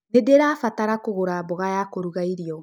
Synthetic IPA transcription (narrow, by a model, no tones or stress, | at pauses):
nedeɾafataɾakoɣoɾaboɣajaːkoɾuɣaiɾiɔ